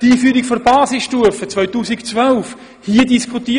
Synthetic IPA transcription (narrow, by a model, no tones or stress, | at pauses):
tiːfyːɾikfɔɾbɑːsɪsʃtuəfət͡svœʏtuːsikt͡svœlf | hiədiskχut̪iː